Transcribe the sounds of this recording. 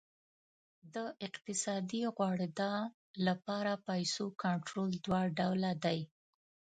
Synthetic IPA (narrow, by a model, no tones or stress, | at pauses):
d̪əʔɪqt̪ɪsɑd̪iɣwɑɽed̪ɑ | lapɑɾapajsokaɳʈɾold̪wɑɖawlad̪aj